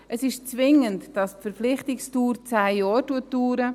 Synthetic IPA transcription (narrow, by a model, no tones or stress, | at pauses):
ʔəsɪʃt͡svɪŋəntd̥ɑstfəɾflɪχtɪkstuːɾt͡sæːjɔːɾtuətduːɾə